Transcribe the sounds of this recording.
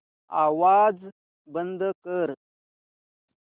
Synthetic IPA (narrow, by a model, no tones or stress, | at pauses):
a̰ːwaːd͡z | bənd̪əkəɾ